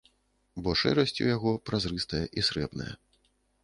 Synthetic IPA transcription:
bɔʂɛ̰ɾɐsʲt͡sʲṵjaɣɔpɾazrɨst̪ɐjɐʔisɾɛbnɐ̰jɐ̰

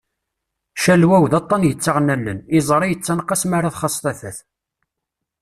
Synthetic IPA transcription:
ʃælwæwðɑt̪ˤːɑnjət͡sːəʁnælːənizˤɾˤijət͡sːænqːɑsmaɾˤɑθχɑsˤt̪ˤæθæθ

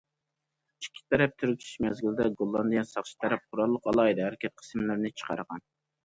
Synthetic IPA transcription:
t͡ʃʰi̥kʲʰːi̥t̪ʰːɛɾɛp̚t̪ʰyɾykʲʰy̥ʃmɛzɡʲilɪd̪ɛɡolˠːɑnd̪ɨjɛnsɑχʃi̥t̪ʰɛɾɛp̚qʰʊɾɑlˠːəqɑlˠɑjd̪ɨhæɾɪkʲʰɛt̪̚qʰə̥smlɨɾnɪt͡ʃʰə̥qʰɑ̰ɾʁɑ̰n

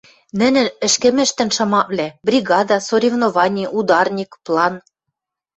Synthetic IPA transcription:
nɘ̆nɘ̆nɘ̆ʃkɘ̆mɘ̆ʃt̪ɘ̆nʃɑmɑβlʲæbrʲiɣɑd̪ɑsoɾʲivnovɑnʲiʔud̪ɑrnʲikplˠɑn

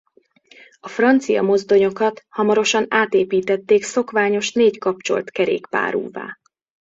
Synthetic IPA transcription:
ɒfrɒnt̪sijɒ̰mo̞zd̪o̞ɲo̞kɒt̪hɒmɒɾo̞ʃɒnaːt̪eːpiːt̪ɛt̪ːeːkso̞kʋaːɲo̞ʃneːckɒp̚t͡ʃo̞̰lt̪kɛɾḛːkpa̰ːɾṵːva̰ː

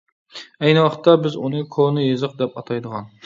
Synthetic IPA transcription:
ɛjnɨwɑqə̥t̪ːɑbɪzunɨkʰonɨjezɨq̚d̪ɛpɑt̪ʰɑjd̪əʁɑn

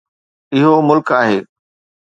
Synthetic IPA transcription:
ɪɦomʊlkaːɦeː

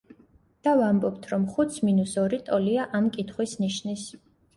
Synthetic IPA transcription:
d̪̥avambɔpt̪ʰɾɔmχut̪sʰminusɔɾit̪ʼɔliaʔamkʼit̪ʰχwisniʃnis

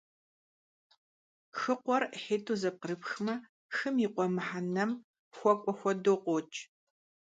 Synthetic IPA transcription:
xɨqʷɔrħeːtʰuzɐp̚qəɾɨpxmɐ | xɨmiːqʷɔmɨħanɐm | xʷɔkʷʼɔxʷɔdoːqʷot͡ʃʼ

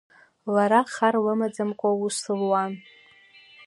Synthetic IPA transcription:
laɾaχarlɨmad͡zamkʷʼausɨlwan

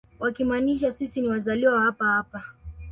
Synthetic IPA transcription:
wakimaːniʃ̬asisiniwazaliwahapahapa

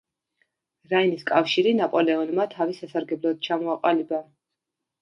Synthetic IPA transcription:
ɾainiskʼafʃiɾinapʼɔlɛɔnmat̪ʰavisasaɾɡɛblˠɔd̪̚t͡ʃʰamɔaqʼaliba

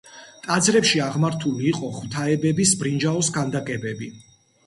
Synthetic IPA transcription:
t̪ʼad̪zɾɛpʃiaʁmaɾt̪ʰuliːqʼɔχwt̪ʰaɛbɛbisbɾind͡ʒaɔsɡand̪akʼɛbɛbi

